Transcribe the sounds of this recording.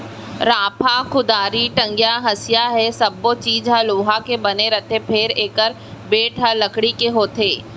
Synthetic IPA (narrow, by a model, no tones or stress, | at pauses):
ɾaːpʰakʊd̪aːɾiʈɐ̃ŋɡjaɦɐsjaɦɛsɐbːot͡ʃiːd͡ʒɦəloːɦakebɐneɾɐt̪ʰepʰɪɾeːkəɾ | beːʈʰɦəlɐkɽikeɦoːt̪ʰeː